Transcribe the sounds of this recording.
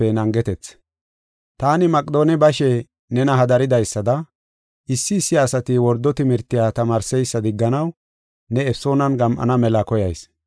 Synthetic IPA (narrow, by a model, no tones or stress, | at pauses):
ɛnɐŋɡɛt̪ɛt͡s | t̪aːnɪmɐkʼd̪o̞ːnɛbɐʃɛ | nɛnɐɦɐd̪ɐɾɪd̪ɐjsːɐd̪ɐ | ʔɪsːɪːsːɪɐsɐt̪ɪwɔɾd̪ːɔt̪ɪmɪɾt̪ːɪjaːt̪ɐmaːɾsɛjsːɐd̪ɪɡːɐnɐw | nɛːfso̞ːnɐnɡɐmʔɐ̰nɐmɛlɐkɔjɐjs